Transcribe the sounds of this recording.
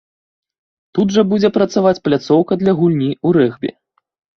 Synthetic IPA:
t̪ud̪ʐɐbud͡zʲɛpɾɐt̪savat͡sʲplʲat̪sɔwkɐd̪lʲɐɣulʲnʲiuɾɛɣbʲɛ̰

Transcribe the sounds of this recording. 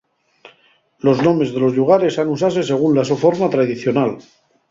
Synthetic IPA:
lo̞znõ̞me̞zðe̞lo̞zʎuɣ̞aɾe̞sanus̬as̬e̞se̞ɣ̞unlasofo̞ɾmat̪ɾaðiθjo̞nal

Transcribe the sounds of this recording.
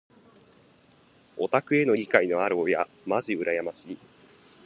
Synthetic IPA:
o̞t̪akɯ̟e̞no̞ɾʲikaino̞aɾoːja | maʑiɯ̟ɾʔajamaɕi

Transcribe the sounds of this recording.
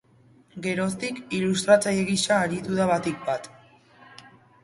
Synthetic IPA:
ɡe̞ɾo̞st̪ikilust̪ɾat͡sajeɣisaːɾit̪uðaβat̪ik̚bat̪

